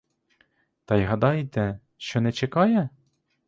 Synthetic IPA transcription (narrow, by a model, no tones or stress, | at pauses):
t̪ɑjɦɐd̪ɑjt̪ɛ | ʃt͡ʃɔnɛt͡ʃekɑjɛ